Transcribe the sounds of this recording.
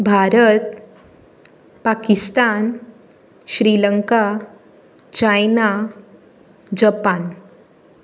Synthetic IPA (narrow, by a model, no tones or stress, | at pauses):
bʱaɾət̪̚ | pakist̪an | ɕɾiləŋka | t͡ɕajna | d͡ʑəpan